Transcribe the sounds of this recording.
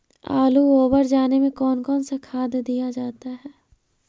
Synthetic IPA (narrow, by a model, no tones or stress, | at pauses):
a̰ːluoːbəɾd͡ʒaːnemẽkɔːnkɔːnsakʰaːd̪jd̪ijad͡ʒaːt̪aɦɛː